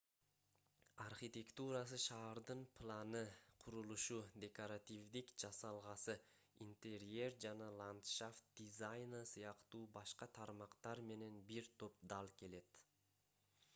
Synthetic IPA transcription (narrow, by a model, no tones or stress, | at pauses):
arχit̪ʲe̞kt̪uɾas̬ɯʃɑːɾd̪ɯnpʰlˠɑnɯqʰuɾulˠuʃud̪ʲe̞koɾat̪ʲivd̪ikd͡ʒɑsɑlˠʁɑsɯ | int̪ʲeɾe̞rd͡ʒɑnɑlˠant̪ʃaft̪̚d̪̥ʲizajnəsɯjɑqt̪uːbɑʃqɑt̪ʰɑɾmɑqt̪ɑɾme̞ne̞nbiɾt̪ʰo̞p̚d̪ɑlˠke̞le̞t̪